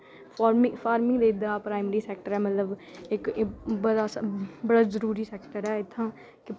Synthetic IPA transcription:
paːɾmɪfʰaːɾmɪ̃ŋɡd̪eːɪd̪aːpɾaːɪməɾiːsɛːk̚ʈəɾɛːmət̪ləbɪkbəɽaːsbəɽaːzəɾuːɾiːsɛːkʈəɾɛːɪt̪ʰːãː | kɪ

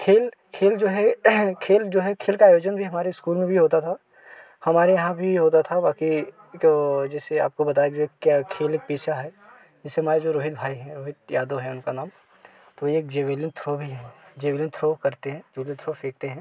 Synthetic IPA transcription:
kʰeːl | kʰeːld͡ʒoːɦɛkʰeːld͡ʒoːɦɛkʰeːlkaːjoːd͡ʒənbʱiɦɐmaːɾeɪskuːlmẽbʱiɦoːt̪at̪ʰa | hɐmaːɾejɐɦãbʱiɦoːt̪̬at̪ʰabaːki | od͡ʒɛːsea̰ːp̚kobɐt̪aːed͡ʒoːɦɛkjakʰeːleːk̚piːt͡ʃʰaɦɛ | d͡ʒɪsemaːɾed͡ʒoɾoːɦɪt̪bʱaːiɦɛ̃ɾoːɦɪt̪jaːd̪oɦɛ̃ʊnkanaːm | t̪oeːk̚d͡ʒeːʋelɪnt̪ʰɾoːbʱiɦɛ̃d͡ʒeːʋelɪnt̪ʰɾoːkɐɾt̪eɦɛ̃ːd͡ʒoːlit̪ʰɾoːfeːk̚t̪eɦɛ̃ː

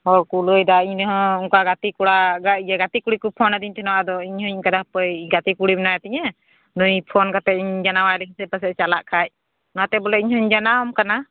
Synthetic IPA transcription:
ɔɾkuləjd̪aiɲnɦɔ̃uŋkaɡat̪ikuɽaɡaʔd͡ʒɛɡat̪ikuɽikupʰɔnad̪iɲt̪ʰɛnɔad̪ɔiɲhɔɲkad̪ahpəjɡat̪ikuɽimɛnajt̪ɛɲɛ | nujpʰɔnkat̪ɛiɲd͡ʒanawalikʰisɛpəsɛt͡ʃalaʔkʰac̚ | nɔat̪ɛbɔlɛiɲhɔɲd͡ʒanaɔmkana

